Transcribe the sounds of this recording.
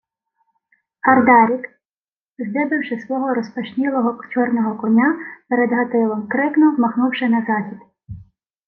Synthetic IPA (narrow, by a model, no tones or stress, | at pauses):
ɐrd̪ɑɾʲik | zd̪ɪbɪwʃɪsʋɔɦɔɾɔspɐʃnʲilˠɔɦɔt͡ʃɔrnɔɦɔkɔnʲapɛɾɛd̪ɦɐt̪ɪlˠɔmkɾɪknɔzmɐxnuwʃɛnɐzɑxʲid̪̥